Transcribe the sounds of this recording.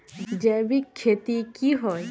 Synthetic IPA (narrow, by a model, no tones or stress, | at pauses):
d͡ʑɛbikʰːet̪ikiɦɔe